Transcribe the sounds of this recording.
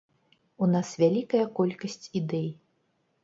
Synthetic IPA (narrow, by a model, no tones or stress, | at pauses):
unasvʲalʲikɐjɐkɔlʲkɐsʲt͡sʲid̪ɛj